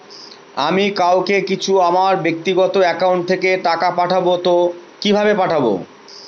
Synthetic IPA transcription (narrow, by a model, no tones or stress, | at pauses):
amikawkekit͡ɕʰuamaɾbek̚t̪iɡɔt̪oɛkauɳʈ̚t̪ʰekeʈakapaʈʰabot̪okibʱabepaʈʰabo̰